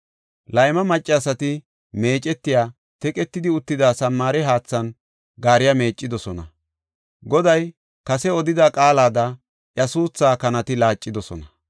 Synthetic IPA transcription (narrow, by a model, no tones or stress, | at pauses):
lɐjmɐmɐt͡ʃʼːɪɐsɐt̪ɪ | me̞ːt͡ʃʼɛt̪ːɪjaː | t̪ɛkʼɛt̪ːɪd̪ɪʊt̪ːɪd̪aːsɐmːaːɾɛɦaːt͡sːɐn | ɡaːɾɪjame̞ːt͡ʃʼːɪd̪ɔsɔnɐ | ɡɔd̪ɐj | kɐsɛɔd̪ɪd̪akʼaːlaːd̪ɐ | ʔjɐsuːt͡sːaːkɐnɐt̪ɪlaːt͡ʃʼːɪd̪ɔsɔnɐ